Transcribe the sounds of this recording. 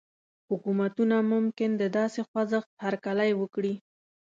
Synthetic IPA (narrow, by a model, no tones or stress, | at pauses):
hʊkumat̪unamʊmkɪnd̪əd̪ɑsexwazəxt̪haɾkalajwəkɽi